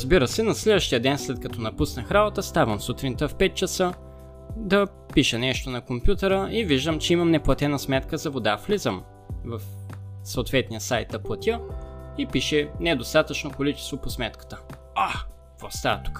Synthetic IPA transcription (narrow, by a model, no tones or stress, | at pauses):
ɾəzbiɾəsɛnɐslɛd̪vəʃt̪ijəd̪ɛnslɛt̪̚kɐt̪ʰɔnɐpusnəxɾalˠət̪əst̪avəmsut̪ɾint̪əfpɛt̪̚t͡ʃəsə | d̪ɐ | piʃɛnɛʃt̪onɐkompʲjut̪ɛɾəiviʒd̪əmt͡ʃɛimɐmnɛplˠɐt̪ɛnəsmɛt̪kəzɐvod̪aflizəm | vɐfsoʊt̪vɛt̪nijəsajt̪̚d̪ɐplˠɐt̪ʲjəipiʃɛnɛd̪ost̪at̪ət͡ʃnokolit͡ʃɛ̥st̪voposmɛt̪kə̥t̪ə̥ | a | kvost̪at̪u̥k